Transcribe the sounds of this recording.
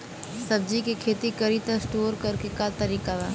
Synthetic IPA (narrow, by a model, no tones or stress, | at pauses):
sɐb̚d͡ʒikekʰeːt̪ikɐɾit̪əsʈoːɾkɐɾkekat̪ɐɾiːkaʋaː